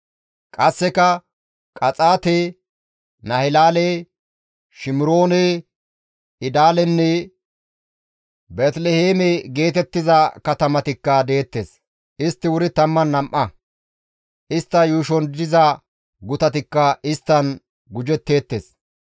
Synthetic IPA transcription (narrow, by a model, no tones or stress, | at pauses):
kʼɐsːɛkɐ | kʼɐt͡sʼaːt̪e | nɐhɪlaːle | ʃɪmɪɾo̞ːnɛ | ɪd̪aːlɛnːɛ | beːt̪lɛheːmɛɡe̞ːt̪ɛt̪ːɪzɐkɐt̪ɐmɐt̪ɪkːɐd̪e̞ːt̪ːes | ɪst̪ːɪwʊɾɪt̪ɐmːɐnːɐmʔɐ | ʔɪst̪ːɐjuːʃɔnd̪ɪzɐ | ɡʊt̪ɐt̪ɪkːɐɪst̪ːɐn | ɡʊd͡ʒɛt̪ːe̞ːt̪ːḛːs